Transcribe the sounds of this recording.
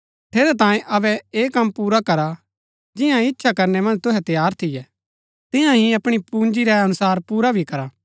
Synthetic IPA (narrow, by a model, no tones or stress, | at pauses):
t̪ʰeːɾɛt̪ãːjẽʔɐbɛeːkɐmːpuːɾakɐɾa | d͡ʒɪjãɪtːʃʰakɐɾnɛmɐ̃nd͡ʒt̪ʊɦɛt̪jaːɾt̪ʰɪjɛ | t̪ɪjãɦiɐpɽ̃ipuːnd͡ʒiɾɛɐnʊsaːɾpuːɾabʱikɐɾaː